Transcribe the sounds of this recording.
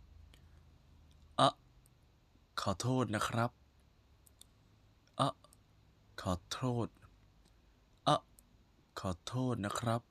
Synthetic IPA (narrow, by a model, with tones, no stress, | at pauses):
ʔa˧˩ʔ | kʰɔː˨˩˦t̪ʰoː˥˩t̪̚na˦˥kʰɾa˦˥p̚ | ʔa˧˩ʔ | kʰɔː˨˩˦t̪ʰɾoː˥˩t̪̚ | ʔa˧˩ʔ | kʰɔː˨˩˦t̪ʰoː˥˩t̪̚na˦˥kʰɾa˦˥p̚